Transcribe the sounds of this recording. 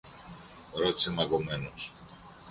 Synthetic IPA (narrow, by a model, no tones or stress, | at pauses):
ɾot̪i̥semɐɣome̞nos